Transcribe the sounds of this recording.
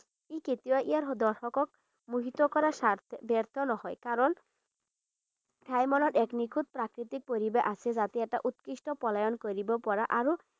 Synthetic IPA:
eket̪iwaʔiaɾd̪ɔɾʃɔkɔk̚ | muɦit̪okɔɾaʃaɾt̪ʰbɛɾt̪ʰɔnɔɦɔjkaɾɔn | bʰʱajmɔnɔɾʔɛknikʰud̪̚pɾakɾit̪ik̚poɾibeʔasʰezat̪eɛk̚ʈa̰ʔut̪kɾiʃʈɔpɔlajɔnkoɾibopɔɾaʔaɾo

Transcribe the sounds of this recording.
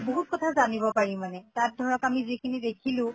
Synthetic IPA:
boɦut̚kɔtʰazanibɔpaɹĩmanɛtat̚dʱɔɹɔkamizikʰinidekʰilʊ̃

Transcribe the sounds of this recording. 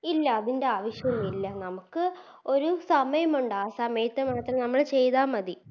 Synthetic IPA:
ilːɐːðinde̞aːʋɐʂjɐnːilːɐnɐmukːɨ | o̞ɾusɐmɐjɐmuɳɖaːsaːmeːt̪ːɐmaːt̪rɐnɐmːɐɭt͡ɕe̞jðaːmɐði

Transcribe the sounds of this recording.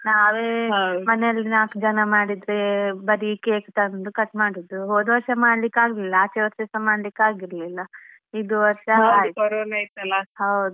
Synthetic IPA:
naːʋeːɦɐmɐnɛɐlːinaːkd͡ʒɐnɐmaːɽid̪ɾebɐɾiːkeːkt̪ɐnɐnd̪ukɐt̪maːɽid̪ːuɦoːd̪ʋɐɾʂɐmaːɽlikːaːɡililːɐaːt͡ʃɛʋɐɾʃɐsɐmaːɽlikːaːɡiɾɐlilːɐ | id̪uʋɐɾʂɐaːɡiɐɾolajt̪ːɐlːɐɦɐwd̪u

